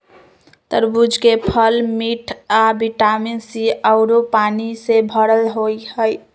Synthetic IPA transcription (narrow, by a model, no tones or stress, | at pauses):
t̪əɾbud͡ʒʱkepʰəlmiʈʰabiʈaminsiəʊɾopanisebʱəɽəlɦojhəj